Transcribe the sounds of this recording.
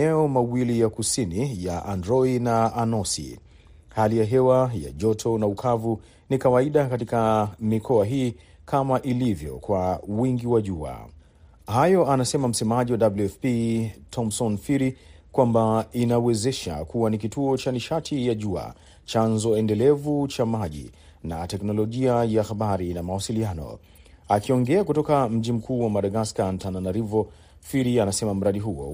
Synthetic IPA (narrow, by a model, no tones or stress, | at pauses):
ɛɔmawilijakusinijaʔandɾɔidnaanɔsḭ | halijaɦɛwaja̰ʄɔtʰɔnaukʰavu | nikawaiɗakatikamikʰɔaɦiː | kʰamaʔilivjɔ̰kwawiŋɡiwaʄua̰ | ɦajɔanasɛmam̩sɛmaʄiwaɗabluɛfpitʰɔmsɔnfiɾikwambainawɛzɛʃa̰kuwanikituɔt͡ʃaniʃatʰijaʄua̰ | t͡ʃanzɔɛndɛlɛvut͡ʃamaʄḭ | natɛknɔlɔʄiajahaɓaɾinamawasilianɔ̰ | akiɔŋɡɛakutɔkam̩ʄim̩kʰuːwamaɗaɡaskan̩tananaɾivɔ | fiɾianasɛmam̩ɾaɗiɦuɔ̰